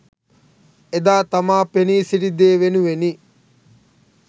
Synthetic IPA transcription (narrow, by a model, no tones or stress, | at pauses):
ed̪aːt̪amaːpeniːsiɾid̪eːʋenuʋeni